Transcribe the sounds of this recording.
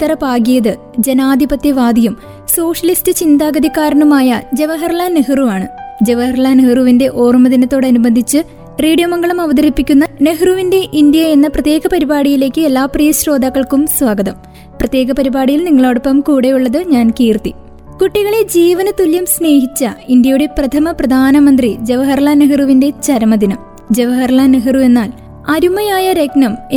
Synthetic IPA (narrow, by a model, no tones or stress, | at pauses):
t̪ːɐɾɐpaːɡijɐðɨ | d͡ʑenaːd̪ʱibɐt̪jɐʋaːd̪ʱijum | so̞ːʂɐlistɨt͡ɕind̪aːɡɐd̪ʱikːaːɾɐnumaːjɐd͡ʑe̞ʋɐɦɐrɭaːneɦruʋaːɳɨd͡ʑe̞ʋɐɦɐrɭaːnehruʋinde̞ʔo̞ːrumɐðinɐt̪ːo̞ːɽɨɐnubɐnd̪ʱit͡ɕːɨ | riːɽijɐmɐŋɡɐɭumɐʋɐd̪ɐɾipːikʲːunːɐne̞ɦruʋinde̞ʔind̪jɐenːɐprɐt̪jeːɡɐpɐɾibaːɽijile̞ːkːɨelːaːprijɐɕro̞ːd̪aːkːɐɭkumswaːɡɐðɐm | prɐt̪je̞ːɡɐpɐɾibaːɽijilniŋːɐɭoːɽupːɐmkuːɽe̞juɭːɐðɨɲaːnkiːrt̪i | kuʈːiɣɐɭed͡ʑiːʋɐnɐt̪ːuljɐmsne̞ːɦit͡ɕːɐind̪jɐjuɽe̞prɐt̪ʰɐmɐprɐd̪ʱaːnɐmɐnd̪rid͡ʑeʋɐɦɐrɭaneɦiruʋinde̞t͡ɕɐɾmɐd̪inɐm | d͡ʑeʋɐɦɐrɭaneɦirue̞nːaːl | ɐɾumɐjaːjɐɾe̞knɐm